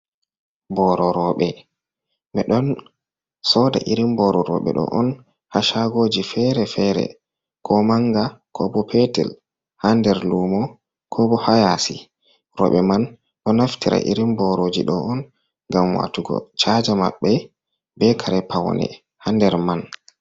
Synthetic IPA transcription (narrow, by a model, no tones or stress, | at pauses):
bɔɾɔɾɔɓɛ | mɛɗɔn | sɔda̰ʔiɾimbɔɾɔɾɔ̰ɓɛ̰ɗɔ̰ʔɔn | haʃaɡoːd͡ʒifɛɾɛfɛɾɛ̰ | kʰɔmaŋɡakʰɔbɔpʰɛtɛ̰l | handɛɾluːmɔ | kʰɔbɔhajasi | ɾɔɓɛman | ɗɔnaftiɾa̰ʔḭɾimbɔɾod͡ʒḭɗɔɔn | ɡamwa̰tuɡɔ̰t͡ʃad͡ʒama̰ɓːɛ | bɛkʰaɾɛpʰawnɛ̰ | handɛɾman